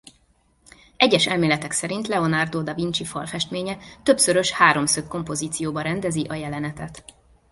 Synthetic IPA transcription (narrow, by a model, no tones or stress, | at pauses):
ɛɟːɛʃɛlmeːlɛt̪ɛksɛɾint̪lɛo̞nard̪oːd̪ɒvint͡ʃifɒlfɛʃt̪meːɲɛt̪ø̞psø̞ɾø̞ʃhaːɾo̞msøkːo̞mpo̞ziːt̪sijoːbɒɾɛnd̪ɛziʔɒjɛlɛnɛt̪ɛt̪